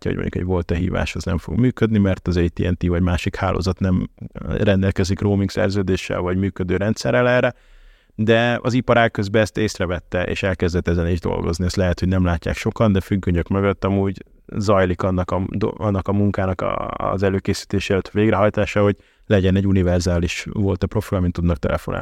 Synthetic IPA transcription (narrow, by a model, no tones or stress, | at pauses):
ɒ̰ɦo̰ɟmo̰ɲɟukɛ̰ɟvo̞lt̪ɒɦḭːva̰ːʃoznɛ̰ɱfo̞̰ɡmyːkød̪nimɛrt̪ɒzɛjt̪ḭːɛnt̪ivɒɟmaːʃikhaːlʔo̰ːzɒt̪nɛmrɛnd̪ɛlkɛzikroːmiŋksɛ̰rzøːd̪eːʃːɛ̰lvɒɟmyːkød̪øːɾɛnt̪sɛrɛlɛːrɛ | d̪ɛɒ̰zipɒɾaːkːøzbɛɛst̪eːsrɛvɛt̪ːɛʔḛːʃɛlkɛzd̪ɛt̪ːɛzɛneːʒd̪o̞̰lɡo̞̰zniɛst̪lɛɦɛt̪ho̞ɟnɛmlaːcːa̰ːkʃo̞kɒnd̪ɛfyɡːøɲøkmøɡøt̪ːɒmuːɟ | zɒjlikɒnːɒkɒd̪ɒnːɒkɒmuŋkaːnɒkzɛløːkeːsi̥t̪eːʃeːlɛt̪veːɡɾɛɦɒjt̪aːʃaːho̞ɟ | lɛɟɛnɛɟːunivɛrzaːliʃvo̞lt̪ɛpɾro̞filɒmint̪ud̪nɒk̚t̪ɛ̰lʔɛ̰fona̰